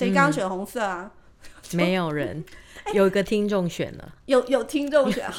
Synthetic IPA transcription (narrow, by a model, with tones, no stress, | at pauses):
e˧˥ɪkɑ˥ŋɕɥɛ˨˩nxʊ˧˥ŋsə˥˩a˨˩ | me˨˦ɪjo˨˩ʊɻə̰˧˦njo˨ʊi˨˧˥ɡə˧t̪ʰi˦˥ŋʈ͡ʂo˥˨ŋɕɥɛ̰˨˩nlə̰˦jo˨˩ʊjo˨˩ʊt̪ʰi˥ŋʈ͡ʂo˥˨ŋɕɛ̰˨˦